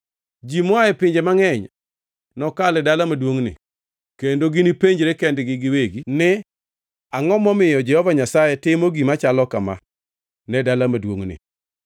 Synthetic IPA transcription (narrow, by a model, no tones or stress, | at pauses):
d͡ʒimwaɛpɪɲd͡ʒemaŋɛɲ | nɔkalɛdalamadwoŋnɪ̰ | kendoɡɪnipeɲd͡ʒɾekɛndɡɪɡɪweɡinɪ | aŋɔmɔmɪjɔd͡ʒɛhɔvaɲasajɛtɪmoɡimat͡ʃalɔkama̰ | nɛdalamadwo̰ŋnɪ̰